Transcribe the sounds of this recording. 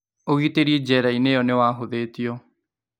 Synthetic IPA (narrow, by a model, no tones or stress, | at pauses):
oɣit̪eɾid͡ʒɛɾaineɔnewaːɦʊðet̪iɔ